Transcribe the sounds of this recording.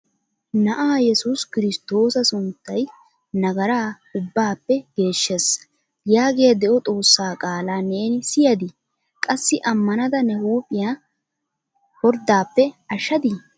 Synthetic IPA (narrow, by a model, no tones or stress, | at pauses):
nɐʔaːjɛsuskɪɾɪst̪o̞ːsɐsʊnt̪ːɐj | nɐɡɐɾaː | ʊbːaːpːɛɡ̥e̞ːʃːes | jaːɡejɐd̪ɛʔɔt̪ʼo̞ːsːaːkʼaːlaːne̞ːnɪsɪjɐd̪ɪ | kʼɐsːɪʔɐmːɐnɐd̪ɐnɛhuːpʼːɪjaː | hɔɾd̪aːpːɛɐʃːɐd̪ɪ